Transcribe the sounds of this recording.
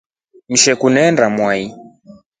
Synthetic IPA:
m̩ʃɛkunɛndamwai

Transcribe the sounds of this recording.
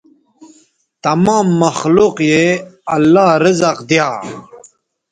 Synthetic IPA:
t̪ɐmaːmːɐxluqjeɐlːaːɾɪzaqd̪jaː

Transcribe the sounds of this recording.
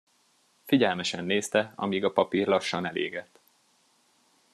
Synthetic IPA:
fiɟɛlmɛʃɛnːeːst̪ɛɒ̰miːɡɒpɒpiːrlɒʃːɒnɛlḛːɡɛt̪ː

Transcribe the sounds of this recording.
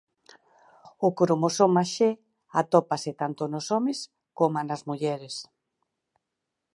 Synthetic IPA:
ʊkɾomosomaʃe | at̪ɔpaset̪ant̪onosɔmes | komanazmuʎɛɾes

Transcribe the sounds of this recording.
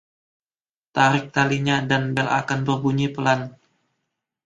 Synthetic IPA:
t̪aɾɪk̚t̪aliɲadanbɛla̰kanbərbuɲipəlan

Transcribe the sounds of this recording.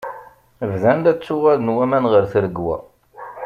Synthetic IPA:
vðænd̪æt͡sːʊʁaðnwæmænʁəɾθɾəɡwæ̰

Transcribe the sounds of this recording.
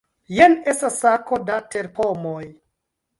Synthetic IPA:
jenestasːako̞datʰeɾpomoj

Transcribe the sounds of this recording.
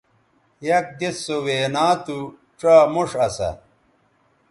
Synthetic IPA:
jɐk̚d̪esːoweːnaːt̪u | t͡ɕaːmuʂɐsɐ̰

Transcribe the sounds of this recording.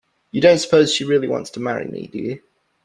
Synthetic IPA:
jɨdõʊ̃ntsə̥pʰoʊz̥ʃiɹɪəliwɒ̰̃ntstʰəmaɹḭmḭdɨjɨ

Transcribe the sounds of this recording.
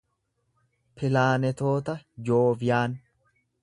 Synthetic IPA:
pɪlaːnɛt̪o̞ːt̪ɐd͡ʒoːfjaːn

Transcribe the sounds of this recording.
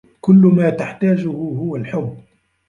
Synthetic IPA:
kʊlːmaːt̪aħt̪aːd͡ʒʊhʊɦʊwalħʊb

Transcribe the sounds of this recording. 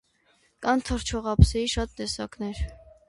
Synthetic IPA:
kɑnt̪ʰəɾt͡ʃʰɔʁɑpsɛɾiʃɑt̪ːɛsɑ̰knɛɾ

